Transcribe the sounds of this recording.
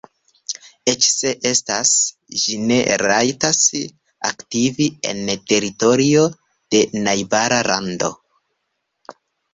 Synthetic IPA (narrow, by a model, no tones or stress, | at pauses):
e̞t͡ʃse̞ʔe̞stas | d͡ʒine̞ɾajtas | a̰ktivie̞̰nte̞ɾito̞ɾio̞ | d̥e̞najbaɾalʔando̞̰